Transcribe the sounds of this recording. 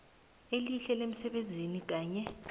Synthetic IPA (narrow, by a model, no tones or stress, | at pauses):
eliɬɛlem̩sɛɓend͡zʱinik̬aːɲɛ